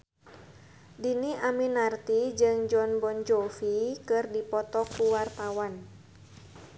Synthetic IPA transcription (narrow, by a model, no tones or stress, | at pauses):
diniʔaminart̪id͡ʒɨŋd͡ʒɔnbɔnd͡ʒɔfikɨrdipɔt̪ɔkuwart̪awan